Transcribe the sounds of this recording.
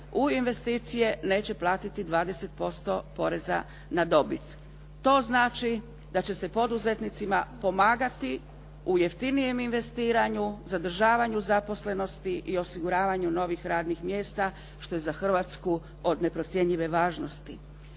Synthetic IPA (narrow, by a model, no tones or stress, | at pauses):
uinʋe̞st̪iːt̪sije̞ne̞ːt͡ɕe̞plˠaːt̪it̪id̪ʋaːd̪e̞se̞t̪̚po̞st̪o̞po̞ɾe̞za̰ | nad̪o̞bit̪ː | o̞znaːt͡ʃi | d̪at͡ɕe̞se̞po̞d̪uze̞t̪nit̪simapo̞maːɡat̪i | uje̞ft̪inije̞minʋe̞st̪iːɾaɲuzad̪r̩ʒaːʋaɲuzapo̞sle̞no̞st̪iʔio̞siɡuɾaːʋaɲuno̞ʋixɾaːd̪nixmje̞ːst̪a | ʃt̪o̞je̞zaxr̩ʋat̪sku | o̞d̪ne̞pɾo̞t̪sʲje̞ɲʎiʋe̞ʋaːʒno̞st̪i